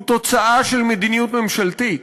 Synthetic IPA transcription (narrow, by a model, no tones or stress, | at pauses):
t̪o̞t͡saʔaʃelmed̪inijut̪memʃalt̪it